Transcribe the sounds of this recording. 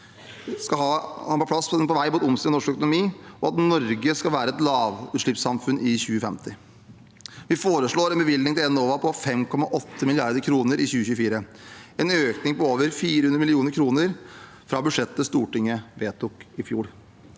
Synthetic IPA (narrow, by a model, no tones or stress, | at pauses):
skɑɑhɑːpɔpʰɽɑspɔʋæɪmuːt̪ʊmst̪iːɔnɔʂkœkʊnʊmiːɔɑt̪nɔɾɡəskɑlʋæːɾəɛt̪lɑːʋʉːt̪ʂɭɪpsɑmfʉnʔɪçʉːəfɛmt̪ʰɪ | ʋɪfoːɾəʂɭoːɾɛnbəʋɪld̪ɪŋt̪ʰɪlɛnoːʋɑpʰɔfɛmkʰɔmɑʔɔt̪ʰːəmɪlɪɑɾd̪əɾkʰɾuːnəɾʔɪçʉːəçʉːəfiːɾəɛːnøːknɪŋpɔoːʋəɾfiːɾəhʉnəmɪlɪuːnəɾkʰɾuːnəɾ | fɾɑbʉʂɛt̪ːəst̪uːʈɪŋːəʋeːt̪ʰʊkɪfjuːɽ